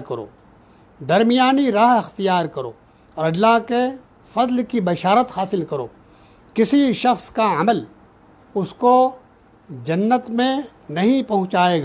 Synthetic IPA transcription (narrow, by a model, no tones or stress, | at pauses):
kɐɾo̰ː | d̪ɐɾmijaːniɾaːɦɪxt̪ijaːɾkɐɾo̰ː | ɔːɾɐllːaːɦke | fɐzlkibɐʃaːɾət̪haːsɪlkɐɾo̰ː | kɪsiʃɐxskaɐməl | ʊsko | d͡ʒɐnːət̪mẽ | nɐɦĩpɐɦʊ̃t͡ʃaːeːɡ